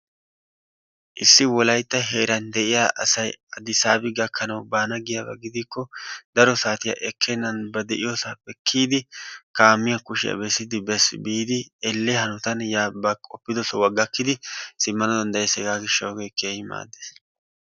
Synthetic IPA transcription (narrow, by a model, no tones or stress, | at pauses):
ʔɪsːɪwɔlɐjt̪ːɐɦe̞ːɾɐnd̪ɛʔɪjaʔɐ̰sɐjɐd̪ɪsaːbɪɡɐkʰːɐnɐwbaːnɐɡɪjabɐ̰ɡɪd̪ikːɔd̪ɐɾɔsaːt̪ɪjɐ̰ʔɛkʰːɛnːɐnbɐd̪ɛʔɪ̰josapɛkʰːiːd̪ɪkaːmːɪjɐkʊʃɪjɐ̰bɛsːɪd̪ɪbɛsbiːd̪ɪɛlːɛhɐnʊt̪ɐnjaːbɐkʼɔpːɪd̪ɔsɔwɐɡɐkːɪd̪ɪsɪmːɐnɔd̪ɐnd̪ɐjɛsɛɡaːɡɪʃːɐwɡejkeːhɪma̰ːd̪ːes